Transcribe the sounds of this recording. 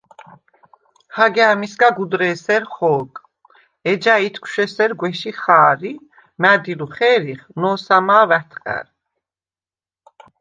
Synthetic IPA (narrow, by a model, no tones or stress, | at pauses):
haɡɛaːmisɡaɡud̪ɾɛːsɛɾχɔːkʼ | ɛd͡ʒait̪ʰkʰwʃɛsɛɾɡwɛʃiχaːɾi | mæːd̪iluχɛːɾiχnɔːsamaːvɛt̪ʰqʼɛ̰ɾ